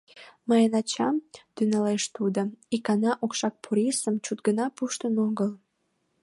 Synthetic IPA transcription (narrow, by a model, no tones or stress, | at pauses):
məjənɑt͡ɕɑmt̪ynɑleʃt̪ud̪əikɑnɑʔokʃɑk̚pʰuɾʲisəmt͡ɕut̪̚ɡənɑpuʃt̪ənoɣəl